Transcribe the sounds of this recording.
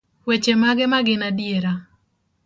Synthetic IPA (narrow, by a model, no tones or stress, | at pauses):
wet͡ʃemaɡɛmaɡɪnadijeɾa